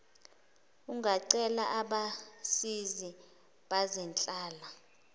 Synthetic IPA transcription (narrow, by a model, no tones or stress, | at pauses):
uŋɡaǀɛlaʔaɓasizi | ɓazɛnt͡ɬʼaːla